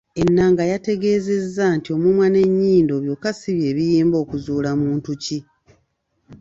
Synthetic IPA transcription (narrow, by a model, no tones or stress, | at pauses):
e̞nːaːŋɡajate̞ɡe̞ːze̞zːantio̞mumwane̞ɲːiːndo̞βjo̞ːkasiβje̞ːβijiːmbo̞ːkuzuːlamuːntuci